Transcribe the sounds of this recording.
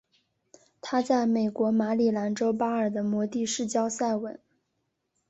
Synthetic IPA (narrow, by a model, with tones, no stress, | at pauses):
t̪ʰa˥t͡sa˥˩ɪme˨˩ɪkwɔ˧˥ma˧˥li˨˩la˧˥nʈ͡ʂo˥ʊpa˥ə˞˨˩d̪ə˦mwɔ˧˥t̪i˥˧ʂɻ̩˥˩t͡ɕjɑ˥ʊsa˥˩ɪwə˨˩˦n